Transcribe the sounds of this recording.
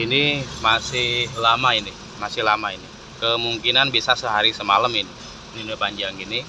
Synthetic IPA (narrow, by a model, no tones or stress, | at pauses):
inimasɪhlamainɪ | masɪhlamainɪ | kəmuŋkinanbisasəɦaɾisəmaləmin | ninipaɲd͡ʒaŋɡinɪ